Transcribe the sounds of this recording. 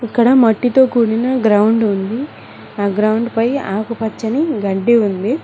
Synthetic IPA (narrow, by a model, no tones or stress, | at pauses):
ikːɐɽɐmɐʈːit̪o̞ːkuːɽinɐɡɾɐwuɳɖund̪i | aːɡɾɐwɳɖpɐjaːkupɐt͡ʃːɐniɡɐɳɖːiund̪i